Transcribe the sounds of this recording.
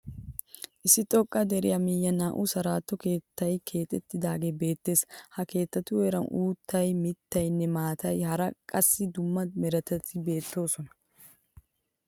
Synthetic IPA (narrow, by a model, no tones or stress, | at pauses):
ʔɪsːɪt̪ʼɔkʼːɐd̪ɛɾɪjɐmɪjːɐnaːʔʊsɐɾaːt̪ːɔke̞ːt̪ːɐjkʰe̞ːt̪ʼɛt̪ːɪd̪aːɡe̞ːbe̞ːt̪ːe̞ːshɐke̞ːt̪ːɐt̪ːʊwɛɾɐnʔuːt̪ːɐjmɪt̪ːɐjnːɛmaːt̪ʰɐjhɐɾɐkʼɐsːɪd̪ʊmːɐmɛɾɐt̪ɐt̪ːɪbe̞ːt̪ːo̞ːsɔnɐ̥